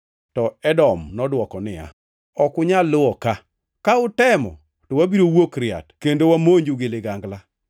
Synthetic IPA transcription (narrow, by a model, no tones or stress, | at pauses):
tɔɛdɔmnɔdwɔkɔnɪa̰ | ɔkʊɲalːʊɔka | kaʊtɛmɔ̰ | tɔwabiɾowokɾɪa̰tkendowamoɲd͡ʒuɡɪlɪɡaŋɡla